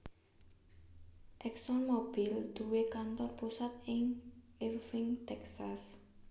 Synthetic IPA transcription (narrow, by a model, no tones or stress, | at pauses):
ʔɛksɔnmob̥ild̪̥uwekant̪ɔrpusat̪ɪŋirfɪŋt̪ɛksas